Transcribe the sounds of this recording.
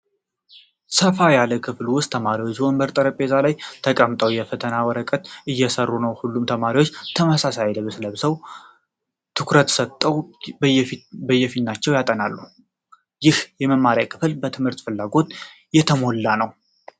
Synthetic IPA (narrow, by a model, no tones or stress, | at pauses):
səfajaləkʰɨflwʊst̪ʰːəmaɾiwo̞t͡ʃːwombəɾt̪ʼəɾəpʼe̞zalajt̪ʰəkʼəmt̪ʼəwjɛfət̪ʰənawɔɾəkʼət̪ɨjːɛsərːunəwhulːumt̪ʰəmaɾiwo̞t͡ʃːt̪ʰəməsasajləβɨsləbɨsəw | t̪ʰɨkʰɾət̪sət̪ʼːəw | bəjːɛfit̪nat͡ʃːɛwjat̪ʼənalːu | jɪhjɛməmaɾijakʰɨ̥fɨlbət̪ʰɨmhɨɾt̪ʼfɨlːaɡo̞t̪ | jɛt̪ʰəmo̞lːanəw